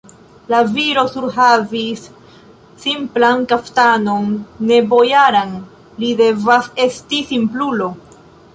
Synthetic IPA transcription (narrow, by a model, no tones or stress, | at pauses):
laviɾo̞suɾɦavisː | implankaftano̞nːe̞bo̞jaɾan | lide̞vase̞stisimplulo̞